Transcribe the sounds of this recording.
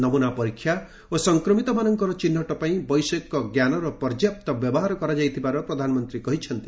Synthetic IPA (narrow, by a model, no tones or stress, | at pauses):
nɔmunapɔɾikʰːja | osɔŋkɾɔmit̪ɔmanɔŋkɔɾɔt͡ʃinːɔʈɔpaĩbɔjsekːɔɡjanɔɾɔpɔɾd͡ʒjap̚t̪ɔbjɔbɔɦaɾɔkɔɾad͡ʒajt̪ʰibaɾɔpɾɔd̪ʱanɔmɔnt̪ɾikɔɦit͡ʃʰɔnt̪i̥